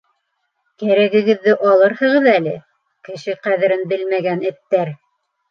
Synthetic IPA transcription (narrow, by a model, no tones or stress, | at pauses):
kæɾæɡɘ̆ɡɘ̆ðːɘʔɑlˠɤɾhɤ̆ʁɤðælɘ | kɘ̆ʃɘqæðɘ̆ɾɘnbɘlmæɡænɘ̆t̪ːæɾ